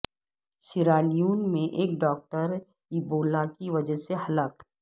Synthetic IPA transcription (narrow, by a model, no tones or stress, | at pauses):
sɪɾaːlijuːnmẽʔeːkɖɔːk̚ʈəɾ | iboːlakiʋɐd͡ʒəɦseɦɐlaːk